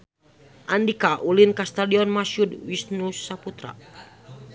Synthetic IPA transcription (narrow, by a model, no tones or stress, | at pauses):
ʔandikaʔulinkast̪adiɔnmaʃudwisnusaput̪ɾa̰